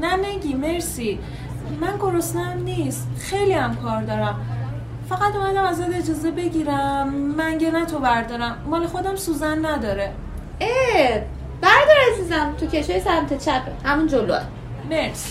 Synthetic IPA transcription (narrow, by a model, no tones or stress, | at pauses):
nænæɟiːmeɾsi | mænɡo̞ɾost̪eæmniːst̪xe̞jliæmkʰɒːɾd̪ɒːɾæm | fæɣæt̪umæd̪æmæzæd̪e̞d͡ʒɒːze̞be̞ɟiːɾæmːænɟenæt̪ʰovæɾd̪ɒːɾæmːɒːlexo̞d̪æmsuːzænːæd̪ɒːɾe | e | bæɾd̪ɒɾæzizæmt̪ʰuceʃɒːjesæɾmæt̪ʰet͡ʃʰæpʰehæmund͡ʒolo̰æ̰ | meɾs